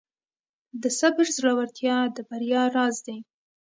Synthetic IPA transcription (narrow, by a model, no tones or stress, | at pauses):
d̪əsabɪɾzlawaɾt̪jɑd̪əbaɾjɑɾɑzd̪ej